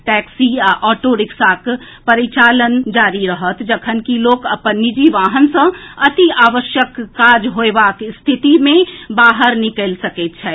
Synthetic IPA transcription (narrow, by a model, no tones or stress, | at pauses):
ʈɛːksiʔɔːʈoɾɪksaːk | pəɾit͡ʃaːlənd͡ʒaːɾiɾəɦət̪d͡ʒəkʰənkiloːkəpənːid͡ʒiʋaːɦənsə̃ɐt̪iaːʋəʃjəkːaːd͡ʒɦoeʋakst̪ʰɪt̪imẽbaːɦəɾnɪkəlsəket̪t͡ʃʰɛː